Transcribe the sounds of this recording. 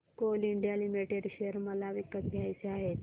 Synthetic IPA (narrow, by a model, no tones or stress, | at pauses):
koliɳɖijalimiʈeɽɕeəɾməlaʋikət̪ɡʱjajt͡seaɦet̪